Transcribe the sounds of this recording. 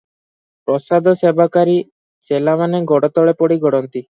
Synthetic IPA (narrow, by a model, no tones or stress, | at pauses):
pɾɔsad̪ʱɔsebʱakaɾi | selamaneɡɔɽɔt̪ɔɭepɔɽiɡʱɔɽɔnt̪i